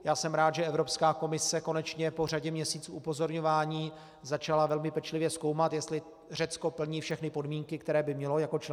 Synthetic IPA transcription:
jaːsɛmɾaːt̪ʒɛʔɛvɾopskaːko̞mɪsɛko̞nɛt͡ʃɲɛpo̞r̝aɟɛmɲɛsiːt͡suːʔupo̞zo̞ɾɲo̞vaːɲiː | zat͡ʃalavɛlmɪpɛt͡ʃlɪvjɛsko̞wmat̪jɛst̪lɪ | r̝ɛt͡sko̞pl̩ɲiːfʃɛxnɪpo̞dmiːŋkɪkt̪ɛɾɛːbɪmɲɛlojako̞t͡ʃ

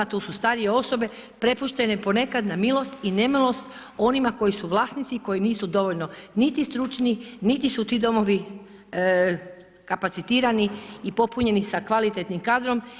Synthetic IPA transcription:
t̪uːsust̪aɾije̞o̞so̞be̞ | pɾe̞puʃt̪e̞ne̞po̞ne̞kad̪namilˠo̞st̪ine̞milo̞st̪ | o̞nimako̞jisuʋlˠaːsnit̪siko̞jiniːsud̪o̞ʋoʎnonit̪ist̪ɾut͡ʃninit̪isut̪iːd̪o̞mo̞ʋi | kapat̪sit̪iːɾaniːpo̞puɲe̞nisakʋalit̪et̪nimkaːd̪ɾo̞m

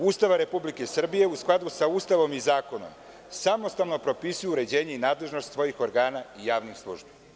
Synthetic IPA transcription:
uːst̪aʋaɾe̞publike̞sr̩bije̞usklˠad̪usauːst̪aʋo̞mizaːko̞no̞̰m | samo̞st̪aʋno̞pɾo̞pisujuuɾe̞d͡ʑe̞ːɲeinaːd̪le̞ʒno̞st̪sʋo̞jixo̞ɾɡaːnaijaːʋnixslˠṵʒbi

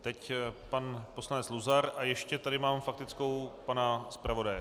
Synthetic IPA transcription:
t̪ɛcpanposlanɛt͡sluzaɾajɛʃcɛt̪adɪmaːmfak̚t̪ɪt͡skowpanaspɾavo̞dajɛ

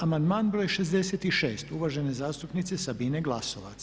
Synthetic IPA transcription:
amand̪maːnbɾojʃezd̪e̞set̪iʃeːst̪uʋaʒene̞zaːst̪upnit̪sesabineɡlˠaso̞ʋat̪s

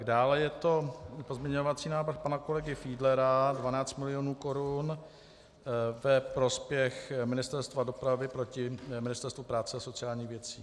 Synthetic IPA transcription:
ɡdaːlɛjɛt̪o̞po̞zmɲɛɲo̞vat͡siːnaːvɾ̩xpanako̞lɛɡɪfiːdlɛɾadvanaːt͡st̪mɪlɪjonuːkoɾun | vɛpɾo̞spjɛxmɪnɪst̪ɛɾst̪vado̞pɾavɪpɾo̞cɪmɪnɪst̪ɛɾst̪vupɾaːt͡sɛaso̞t͡sɪaːlɲiːxvjɛt͡sḭː

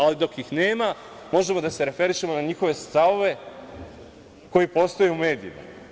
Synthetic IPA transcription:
alid̪o̞kjixneːma | mo̞ʒe̞mo̞d̪ase̞ɾe̞fe̞ɾiʃemo̞naɲixo̞ʋe̞st̪aʋo̞ʋe̞ | ko̞jipo̞st̪o̞juume̞ːd̪iima̰

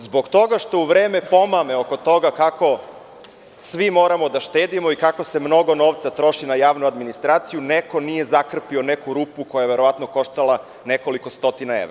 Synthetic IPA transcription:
zboɡt̪o̞ɡaʃt̪o̞uʋɾeːme̞po̞mameoko̞t̪o̞ɡakako̞ | sʋimo̞ːɾamo̞d̪aʃt̪eːd̪imo̞ikako̞se̞mno̞ɡo̞no̞ːʋt̪sat̪ɾo̞ʃinajaːʋnuad̪minist̪ɾaːt̪sijuneko̞nije̞zakr̩pio̞nekuɾupuko̞jajeʋe̞ɾo̞ʋat̪noko̞ʃt̪ala | ne̞ko̞liko̞st̪o̞t̪inae̞̰ʋɾa

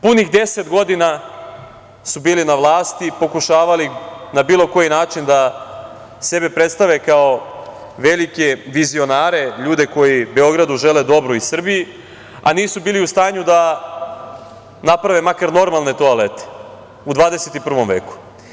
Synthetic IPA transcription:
punixd̪e̞set̪ɡo̞d̪ina | subiːlinaʋlˠaːst̪ipo̞kuʃaːʋalinabiːlo̞ko̞jinaːt͡ʃind̪a | se̞be̞pɾe̞t̪st̪aʋe̞kao̞ | ʋe̞likeʋizio̞naːɾe̞ʎuːd̪e̞ko̞jibe̞o̞ɡɾad̪uʒe̞le̞d̪o̞bɾoisr̩biji | a̰niːsubiːliust̪aːɲud̪a | napɾaʋemakaɾno̞ɾmalˠne̞t̪oalet̪e̥ | ud̪ʋaːd̪e̞set̪ipr̩ʋo̞mʋe̞ːku̥

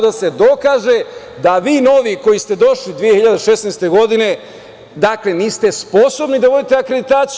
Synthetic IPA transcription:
d̪ase̞d̪o̞kaːʒe̞ | d̪aʋiːno̞ʋiko̞jist̪e̞d̪o̞ʃlid̪ʋijehiʎad̪eʃe̞snejst̪e̞ɡo̞d̪ine̞ | d̪akle̞niːst̪e̞spo̞so̞bnid̪aʋo̞d̪it̪eakɾe̞d̪it̪aːt̪s

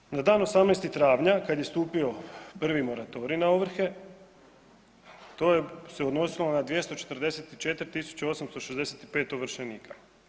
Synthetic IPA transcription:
nad̪aːnosamnejst̪it̪ɾaːʋɲakad̪je̞st̪uːpio̞pr̩ʋimo̞ɾat̪o̞ɾinaoʋr̩xe̞ | t̪o̞ːjeseod̪no̞silonad̪ʋje̞st̪o̞t͡ʃe̞t̪rd̪e̞set̪it͡ʃe̞t̪ɾʲit̪isu̥t͡ɕao̞samst̪o̞ʃezd̪e̞set̪i̥peːt̪oʋr̩ʃeniːkʰa

